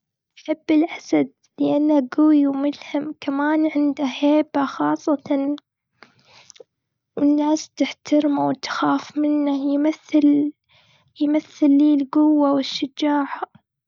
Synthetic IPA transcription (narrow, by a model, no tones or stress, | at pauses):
ʔħɪbːɪlʔasad̪̚ | lɪʔanːaɡʊwjwmʊlhamkamaːnʕɪnd̪aheːbaxɑːsˤːɑt̪ɑn | wɪnːaːst̪ɪħt̪ɪɾmawt̪xaːfmɪnːajmaθːɪl | jmaθːɪlːiːlɡʊwːawɪʃːɪd͡ʒaːʕ